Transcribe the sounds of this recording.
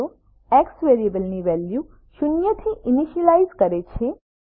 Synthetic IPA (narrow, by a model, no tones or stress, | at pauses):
o | eksʋeɾiebəlniʋɛlju | ʃʊnjət̪ʰiʔiniʃəlaizkəɾet͡ʃʰe